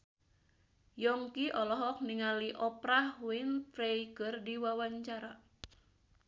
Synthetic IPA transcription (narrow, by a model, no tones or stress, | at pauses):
jɔŋkiʔɔlɔɦɔk̚niŋaliʔɔpɾahwint̪ɾejkərdiwawaɲt͡ʃaɾa